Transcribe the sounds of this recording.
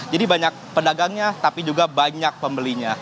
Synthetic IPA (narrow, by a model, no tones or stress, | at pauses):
d͡ʒadibaɲak̚pədaɡaŋɲat̪apid͡ʒuɡabaɲak̚pəmbəliɲa